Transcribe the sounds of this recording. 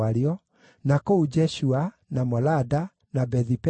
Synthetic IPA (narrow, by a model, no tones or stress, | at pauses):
aɾiɔ | nakoud͡ʒɛɕua | namɔlada | nabɛðip